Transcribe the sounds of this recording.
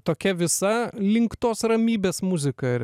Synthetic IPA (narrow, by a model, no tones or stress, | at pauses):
t̪oːkʲɛʋʲɪsɐlʲɪŋkt̪oːsrɐmʲiːbʲeːsmʊzʲɪkɐɪɾ